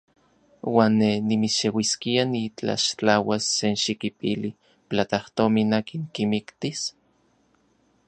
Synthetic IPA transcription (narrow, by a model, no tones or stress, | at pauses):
waːnːenimiʃewiskianit͡ɬa̰ʃt͡ɬawasːenʃikipili | plat̪aht̪ominaːkiŋkimikt̪is